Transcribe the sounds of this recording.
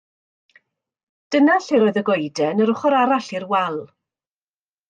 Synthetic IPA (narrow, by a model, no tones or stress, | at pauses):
d̥ənaɬiɾoːɨðəɡɔjdɛnəɾʊχɔɾaɾaɬirwɛlˠ